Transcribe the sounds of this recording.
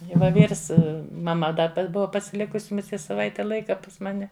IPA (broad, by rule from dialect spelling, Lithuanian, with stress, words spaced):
ɪ ʋɐ ˈʋʲiːrs mɐˈmɐ ˈdɐ pɐ ˈbʊʋɐ pɐsʲɪˈlʲɪkʊsʲɪ mʊˈsʲiɛ sɐˈʋɐɪtʲɛ ˈlˠɐɪkɐ pɐs ˈmɑːnʲɛ